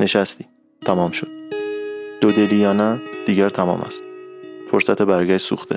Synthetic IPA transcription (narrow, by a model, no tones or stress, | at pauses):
ne̞ʃæst̪i̥ː | t̪ʰæmɒːmʃod̪̥̚ | d̪̥od̪e̞lijɒːnæd̪̥iːɟæɾt̪ʰæmɒ̰ːmæ̰st̪foɾsæt̪ʰebæɾɡʲæʃt̪sṵːxt̪ʰḛ